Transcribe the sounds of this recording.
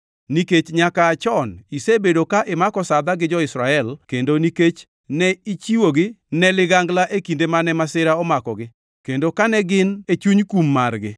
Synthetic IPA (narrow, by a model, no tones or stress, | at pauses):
niket͡ʃɲakaːt͡ʃɔnisebedokaʔɪmakɔsad̪aɡɪd͡ʒɔɪsɾaɛlkendoniket͡ʃ | nɛit͡ʃiwoɡɪnɛlɪɡaŋɡlaʔekindemanɛmasɪɾaɔmakɔɡɪ | kendokanɛɡɪnet͡ʃuɲkumːarɡɪ